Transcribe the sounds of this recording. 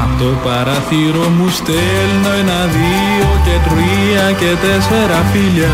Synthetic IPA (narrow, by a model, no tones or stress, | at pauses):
ɐt̪opɐɾɐθiɾomust̪e | lnojnɐði | ocet̪ɾiɐcet̪esfeɾɐfilɐ